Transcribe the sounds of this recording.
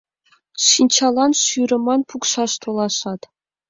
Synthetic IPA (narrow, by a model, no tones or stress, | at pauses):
ʂinʲt͡ɕʰɑlˠɑnʃyɾʲɘ̆mɑnpʰukʂɑʂt̪ʰolˠɑʂɑt̪